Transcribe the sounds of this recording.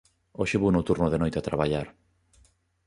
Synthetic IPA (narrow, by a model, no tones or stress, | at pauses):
oʃeβunot̪uɾnoðenojt̪at̪ɾaβaʎaɾ